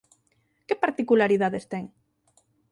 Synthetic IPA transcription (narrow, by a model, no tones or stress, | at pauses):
kepaɾt̪ikulaɾiðaðest̪ɛŋ